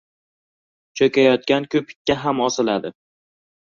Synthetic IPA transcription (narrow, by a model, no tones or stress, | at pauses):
t͡ʃʰokʲajɒt̪̚kʲankʰʲɵpʰɪ̥k̪̚ʲːaɦamɒsɪlad̪ɪ